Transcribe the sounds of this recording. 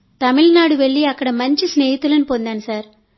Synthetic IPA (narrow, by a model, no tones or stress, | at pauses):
t̪ɐmilnaːɽuʋeɭːiɐkːɐɽɐmɐɲt͡ʃisneːjit̪ːulɐnipond̪aːnisaːɾ